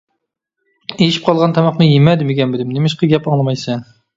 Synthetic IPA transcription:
ejiʃi̥p̚qʰɑlˠʁɑnt̪ʰɛmɑχmɨjemɛd̪ɪmɪkʲɛnbɪd̪ɪmnɪmɪʃqɑɡʲɛpɑŋlˠɨmɑjsɨ

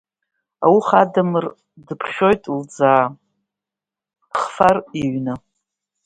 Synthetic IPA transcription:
a̰wuχadamɨr | dɨpʰχʲo̞jtʼld͡zaː | d̥χfariɥnɨ

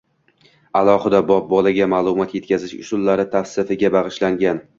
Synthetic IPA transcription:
alˠɒhɪd̪abɒp̚bɒlaɡʲamaːlˠʊmɒt̪je̞t̪̚kʲʰazɪʃʊ̰ʃʊlːaɾɪt̪ʰafsɪfɪɡʲabaʁɨʃlaŋɡʲan

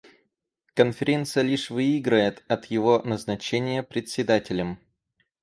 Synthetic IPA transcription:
kənfʲɪɾʲe̞nt̪sɨjəlʲiʂvɨiɡɾəjɪt̪ɐt̪jɪvo̞nəznɐt͡ɕenʲɪjəpɾʲɪt̪sʲɪd̪atʲɪlʲɪm

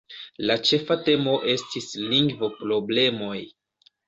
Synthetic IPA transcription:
lat͡ʃe̞fate̞mo̞ʔe̞stisliŋɡvo̞pɾo̞ble̞mo̞j

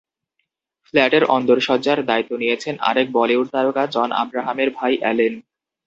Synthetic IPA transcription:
flɛʈeɾʔɔ̰nd̪oɾʃɔd͡ʑaɾd̪ait̪ːonijet͡ɕʰena̰ɾek̚bɔliuɾt̪aɾokad͡ʑɔnʔa̰bɾaɦameɾbʱajʔɛlin

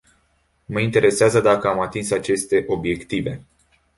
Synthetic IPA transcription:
məint̪e̞ɾʔe̞seazəd̪akəamat̪insat͡ʃe̞st̪e̞ʔo̞bje̞kt̪ive̞

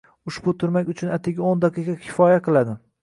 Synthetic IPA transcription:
ʊʃbʊt̪ʰʊɾmakʲʊt͡ʃʰʊnat̪ʰɪɡʲaond̪ɑqʰɨqɑkʲʰɪ̥fɒjaqʰɨlˠad̪ɪ

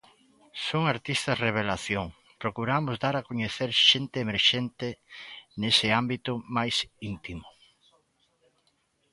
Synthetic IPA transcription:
soŋaɾt̪ist̪ɐzreβ̞elaθjoŋ | pɾokuɾamʊzðaɾakoɲeθeɾʃent̪eːmeɾʃent̪enesɪambit̪ʊmajsint̪imʊ

